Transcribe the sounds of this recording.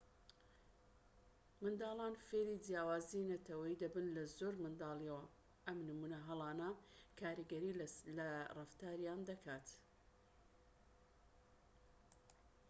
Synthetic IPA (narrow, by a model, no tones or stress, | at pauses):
mɨnd̪aːlˠaːnfelid̪jaːwaːzinɐt̪ʰɐwɐjid̪ɐbɨnlɐzoːɾmɨnd̪aːliɐwɐ | ʔɐmnɨmunɐɦɐlˠɑːnɐkʰaːɾiɡɐɾilɐrɨft̪aːɾjaːnd̪ɐkʰaːt̪